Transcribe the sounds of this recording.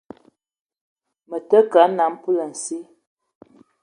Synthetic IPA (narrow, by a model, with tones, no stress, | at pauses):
mə˨tə˦ka˨˦na˨˦m˦pu˦lə˨n̩˨si˦